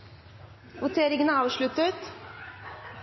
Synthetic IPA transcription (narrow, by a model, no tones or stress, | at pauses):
ʋʊt̪ʰeːɾɪŋənəɑːʋʂɭʉt̪ət̪